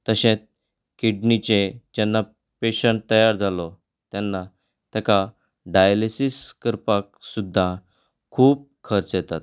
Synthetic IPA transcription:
t̪əɕẽt͡s̚ | kiɖnit͡ɕed͡ʑanːa | peɕəɳʈ̚t̪əjaɾd͡zʱalɔ | t̪janːa | t̪ɛka | ɖajlisiskəɾpaksud̪ʱːa | kʰuːp̚kʰəɾt͡sjɛt̪at̪

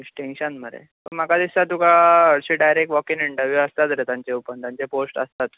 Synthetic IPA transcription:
isʈẽŋɕənməɾḛ | pəɾmakad̪isat̪ukaəɽɕiːɖajɾek̚ʈʋɔkiniɳʈəɾʋjuəst̪at̪ɾet̪jaɲt͡ɕeupənt̪jaɲt͡ɕeposʈəst̪at̪

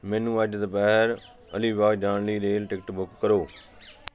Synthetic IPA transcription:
mɛ̃ːnũːəd͡ʒd̪əpɛːɦɾ | ə̰liːbaːɡd͡ʒaːɳliːɾeːlʈɪkʈbʊkːəɾoː

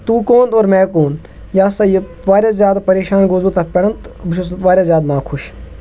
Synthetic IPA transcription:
t̪uːkoːnt̪oːɾmɛ̃ːkoːn | jaːsaje | ʋaːɾʲjazjaːd̪apɐɾeːʃaːnɡozbut̪ɐpɐɽɐnt̪bʊʃʰusʋaːɾʲjaːzʲjaːd̪mãːkʰʊʃ

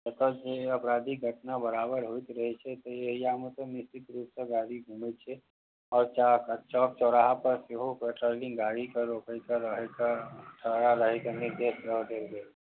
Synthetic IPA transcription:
d͡ʒət̪od͡ʒeɐpɾaːd̪iɡʱəʈnabəɾaːbəɾɦoːt̪ɾɐɦet͡ʃʰɛt̪ojeɦijamẽt̪onɪst̪ɪt̪ɾuːpseɡaːɽiɡʱuːmet͡ʃʰɛ | ɔːɾt͡ʃaːkt͡ʃɔːp̚t͡ʃɔːɾaːɦapɐɾseɦopeʈɾoːlɪ̃ŋɡaːɽikaɾoːkəjkaɾəɦekaʈʰəɽaɾəɦekanɪɾd̪eːsəɦd̪eɡeː

